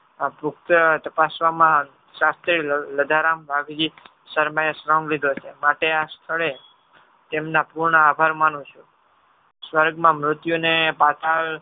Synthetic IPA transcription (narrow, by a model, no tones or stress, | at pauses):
pʊkt̪ət̪əpasʋamã | sast̪ɾiləd̪ʱaɾambʱaɡd͡ʒi | səɾmajesɾɔ̃ŋɡlid̪ʱot͡ʃʰemaʈeast̪ʰəɭe | t̪emnapuɾɳəabʱaɾmanũt͡ʃʰu | sʋəɾɡmãmɾʊt̪junepat̪ʰaɭ